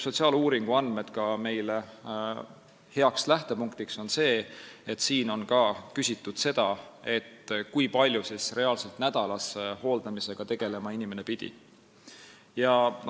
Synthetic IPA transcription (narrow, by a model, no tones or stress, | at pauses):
so̞t̪siɑːluːɾiŋɡ̥uɑnme̞d̪̥kɑme̞jle | he̞ɑkslæht̪e̞puŋkt̪ikso̞nse̞ːet̪ːsiːno̞nkɑːkysʲit̪ːˑud̪̥se̞d̪̥ɑe̞t̪ːkujpɑlʲjusisre̞ɑlse̞lt̪næd̪̥ɑlɑsho̞ːld̪̥ɑmise̞ɡ̥ɑt̪e̞ɡ̥e̞le̞mɑinime̞ne̞pid̪̥ḭ | jɑ